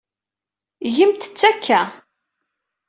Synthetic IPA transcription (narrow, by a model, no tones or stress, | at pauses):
ʝəmt̪ə̥t͡sːækʰːæ